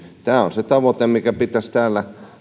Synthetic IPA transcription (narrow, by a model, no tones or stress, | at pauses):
t̪æːo̰nset̪ɑʋot̪emmikæpit̪æst̪æːlːæ